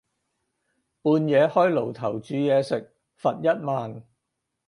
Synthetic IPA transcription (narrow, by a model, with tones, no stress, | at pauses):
puː˨˧njɛː˨˧hɔː˥jlo˨˩wt̪ʰɐ˨˩wt͡ʃyː˨˧jɛː˨˧sɪ˨k̚ | fɐ˨t̚jɐ˥t̚maː˨n